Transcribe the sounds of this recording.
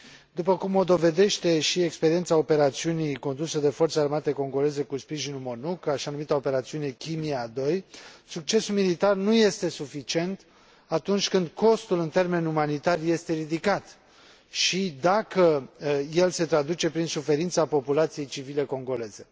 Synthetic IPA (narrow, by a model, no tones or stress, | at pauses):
d̪upəkumo̞d̪o̞ve̞d̪e̞ʃt̪e̞ʃiekspeɾie̞nt̪sao̞pe̞ɾat̪siuniko̞nd̪usəd̪e̞fort̪searmat̪e̞ko̞ŋɡo̞le̞ze̞kuspɾiʒinulmo̞nukaʃianumit̪aope̞ɾat̪siune̞kʲimiad̪o̞jsuk̚t͡ʃe̞sulmilit̪arnuje̞st̪e̞sufit͡ʃie̞nt̪ | at̪unt͡ʃʲkɨnd̪ko̞st̪ulɨnt̪e̞rme̞numanit̪arje̞st̪e̞ɾid̪ikat̪ | ʃid̪akəje̞lse̞t̪ɾad̪ut͡ʃe̞pɾinsufe̞ɾint̪sapo̞pulat̪sije̞jt͡ʃivile̞ko̞ŋɡo̞le̞ze̞